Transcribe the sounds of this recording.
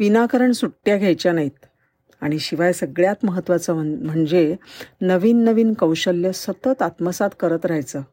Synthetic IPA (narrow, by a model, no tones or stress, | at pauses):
ʋinakəɾəɳsuʈːjaɡʱjajt͡ɕjanait̪̚ | aɽ̃iɕiʋajsəɡɭjat̪məɦət̪ːʋat͡səm̤əɳd͡zenəʋiːnːəʋiːnkəwɕəljəsət̪ət̪at̪məsat̪kəɾət̪ɾajt͡səː